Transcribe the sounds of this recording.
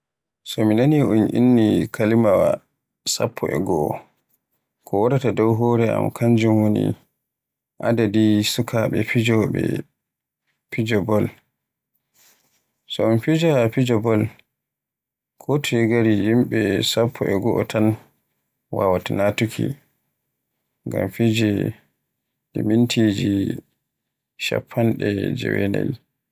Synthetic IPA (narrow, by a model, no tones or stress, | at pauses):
sɔminaniʔunʔḭnːikʰalimawa̰ | sa̰pʰːɔʔɛ̰ɡɔʔɔ | kʰɔwɔɾatadɔwɦɔːɾɛa̰makʰaɲd͡ʒumwonḭ | ʔa̰dadisukʰaɓɛfid͡ʒɔɓɛ̰ | fid͡ʒɔbɔl | sɔɔnfid͡ʒafid͡ʒɔbɔl | kʰɔtɔiɡaɾihimɓɛsapʰːɔʔɛɡɔʔɔtʰan | wawatanatukʰḭ | ŋɡa̰mfid͡ʒɛ | dimintʰid͡ʒi | ʃa̰pʰːanɗɛd͡ʒɛ̰wɛnɛ̰l